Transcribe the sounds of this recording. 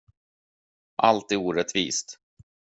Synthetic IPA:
ʔalt̪ɪuːɾɛt̪vḭːst̪

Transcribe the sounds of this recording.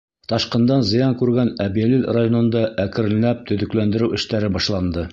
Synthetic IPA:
t̪ɒʃqɤ̆nd̪ɑnzɤ̆jɑŋkʉɾɡænæbiælilrajonɤ̆nd̪ɑʔækɘ̆ɾɘ̆lɘ̆næp̚t̪ɵ̆ðɵ̆klænd̪ɘ̆ɾɘwɘ̆ʃt̪æɾɘbɒʃlˠɑnd̪ɤ

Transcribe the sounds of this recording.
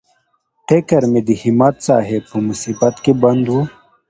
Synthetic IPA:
ʈekɐɾmed̪ihimɐt̪sa̰ːɦepʰumusibɐt̪kebɐnd̪ɦu

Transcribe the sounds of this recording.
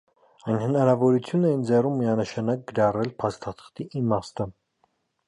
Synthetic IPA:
ɑjnhənɑɾɑvɔɾut͡sʰjunɛjind͡zɛrumːiɑnəʃɑnɑk̚ɡəɾɑrɛlpʰɑst̪ɑt̪ʰə̥χt̪iʔimɑst̪ə

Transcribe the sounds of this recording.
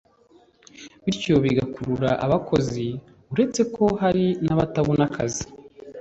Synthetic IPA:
βiɾco̞βiɡakuɾuɾaʔaβakʰo̞zi | uɾe̞t͡se̞kʰo̞ɦaɾinaβataβunakʰazi̥

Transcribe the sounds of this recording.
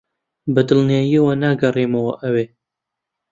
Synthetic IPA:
bɐd̪ɨlnijaːjiəwɐnaːɡɐreːmɐwɐʔɐweː

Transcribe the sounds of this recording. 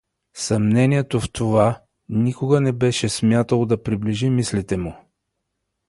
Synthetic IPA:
sɐmnɛniɛt̪oft̪ʰova | nikoɡənɛbɛʃɛsmjat̪əlˠod̪ɐpɾibliʒimislit̪ɛmʊ

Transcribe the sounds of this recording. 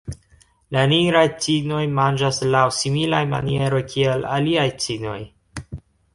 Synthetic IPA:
laniɡɾajt͡sino̞jmand͡ʒaslawsimilajma̰nie̞ɾo̞jkʰiela̰liajt͡sino̞̰j

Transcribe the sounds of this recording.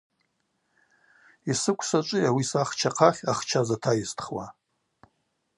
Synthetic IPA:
isɨkʷʰʼsat͡ʃʷʼɨawisaχt͡ʃʰaqʰaχʲaχt͡ʃʰazatʰajistʰχwa̰

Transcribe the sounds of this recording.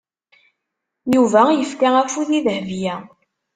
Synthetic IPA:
juvæjəfkææfuðiðəhvjæ

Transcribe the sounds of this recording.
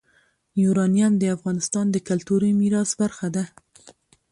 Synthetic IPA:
juɾɑnjamd̪əafɣɑnɪst̪ɑnd̪əkalt̪uɾəjmiɾɑsbaɾxad̪a

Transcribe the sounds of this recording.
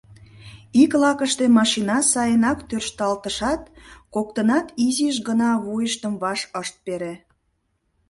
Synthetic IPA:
iklɑkəʃt̪emɑʃinɑsɑjənɑkt̪ørʃt̪ɑlt̪əʃɑt̪̚kok̚t̪ənɑt̪iziʃ̬ɡənɑβujəʃt̪əmβɑʃəʃt̪̚peɾe

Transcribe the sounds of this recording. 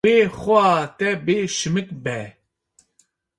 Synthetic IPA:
eːxʊaːt̪ɛbeːʃɨmɨk̚bɛ

